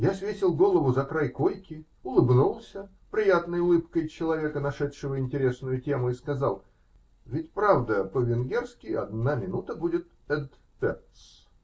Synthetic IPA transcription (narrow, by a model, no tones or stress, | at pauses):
jasvʲetʲɪlˠɡo̞lˠəvʊzɐkɾajkojkʲɪ | ʊlˠɨbnulˠsʲə | pɾʲɪjat̪nəjʊlˠɨpkəjt͡ɕɪlˠɐvʲe̞kənɐʂɛt̪ʂɨvəɪnʲtʲɪɾʲe̞snʊjʊtʲe̞mʊɪskɐzalˠ | vʲɪtʲpɾavd̪əpəvʲɪnɡʲe̞rskʲɪɐ̰d̪namʲɪnut̪əbudʲɪt̪ | ɛnt̪ | pʲɛ̰rt̪s